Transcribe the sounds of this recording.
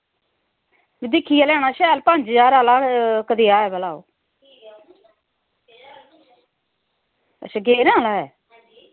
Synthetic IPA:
bid̪ɪkʰːiːaːlɛːɽaːʃɛːlpəɲd͡ʒd͡ʒaːɾaːlaːkəd̪iːaːɛːbəlaːo̰ː | ə̰ʃəɡeːɾãːlaːɦɛː

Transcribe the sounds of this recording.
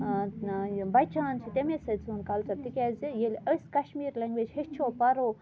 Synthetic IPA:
bɐjt͡ʃʰaːnt͡ʃʰit̪emesɐt͡sʰuːnkɐlt͡sɐɾt̪ikʲaːzijelʲəskɐʃmiːɾlʲɐŋɡʋed͡ʒhest͡ʃʰoːpɐɾoː

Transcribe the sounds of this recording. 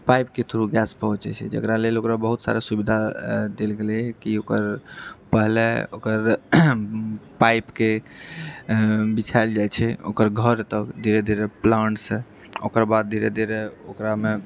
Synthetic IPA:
pajpket̪ʰuɾuɡɛspəɦũt͡ʃɛ̰t͡ʃʰɛ̰d͡ʒə̰kɾalelokɾabəɦut̪sa̰ɾesubid̪ʱad̪elɡelɛkiokəɾpəɦleokəɾ | pajpke | bit͡ʃʰaɪld͡ʒajt͡ʃʰɛo̰kəɾɡʱəɾt̪əkd̪ʱiɾed̪ʱiɾeplaɳʈsẽ | o̰kəɾbad̪̚d̪ʱiɾed̪ʱiɾeokɾame

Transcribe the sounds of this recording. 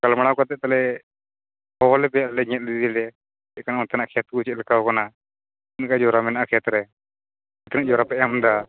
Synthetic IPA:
kalmaɽ̃awkat̪ɛʔ̚t̪alɛ | hɔɔlɛpɛjaʔlɛɲɛt̪̚lid̪ɛlɛ | ɛʔkanaɔnt̪anaʔkʰɛt̪̚kut͡ʃɛlɛkawkana | nkad͡ʒɔɾamɛnaʔakʰɛt̪ɾɛ | t̪ɛnaʔd͡ʒɔɾapɛʔamd̪a

